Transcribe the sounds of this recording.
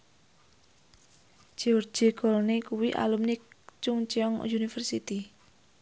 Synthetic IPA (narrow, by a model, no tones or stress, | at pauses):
d͡ʒ̥iɔr̥d͡ʒ̥e̤kɔlnikuwiʔa̰lumnɪk̚t͡ʃʊŋt͡ʃiɔŋ̰junifərsit̪i